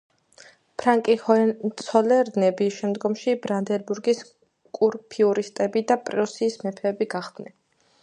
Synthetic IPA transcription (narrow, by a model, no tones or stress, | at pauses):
pʰɾaŋkʼihɔt̪sʰɔlɛɾnɛbiʃɛmd̪ɡɔmʃibɾand̪ɛɾbuɾɡis | kʼuɾpʰiuɾist̪ʼɛbid̪apʼɾusiːsmɛpʰɛːbiɡaχd̪nɛn